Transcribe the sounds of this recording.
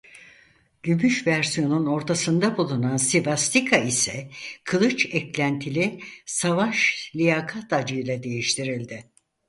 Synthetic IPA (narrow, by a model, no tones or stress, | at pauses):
ɟ̥ymyʃvæɾsijo̞nuno̞ɾt̪ʰasɯnd̪abulˠunansibast̪ikʰaisɛkʰɯlˠɯt͡ʃɛclʲænt̪ʰilʲɪsavaʃlʲijakʰat̪ad͡ʒɯjlˠad̪e̞jiʃt̪ʰiɾilʲd̪ɪ